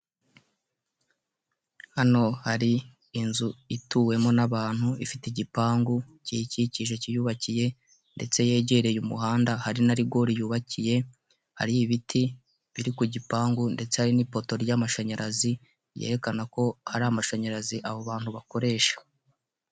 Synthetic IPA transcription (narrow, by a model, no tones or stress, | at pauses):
hano̞haɾiː | nzuituːwe̞mo̞naβaːn̥huifiteɟipaːŋɡu | ciciciʒe̞cijuːβacije̞ | nde̞t͡se̞je̞ːɟe̞ɾe̞jumṵɦaːndahaɾinaɾiɡo̞ːɾijuːβacije̞ | ha̰ɾijiβitʰi | βiɾikuɟipaːŋɡunde̞t͡se̞haɾinipo̞to̞ɾjamaʃaɲaɾazi | jḛɾe̞kanako̞haɾamaʃaɲaɾaziʔaβoβaːn̥huβako̞ɾe̞ːʃḁ